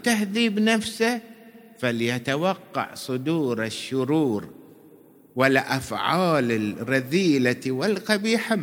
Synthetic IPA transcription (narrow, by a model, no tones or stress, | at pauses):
t̪aɦðiːbnafsa | faljat̪awɑqːɑ̰ʕsˤʊd̪uːɾɪʃːʊɾuːɾ | wɪlʔafʕaːlɪɾɑðiːlawɪlqɑbiːħa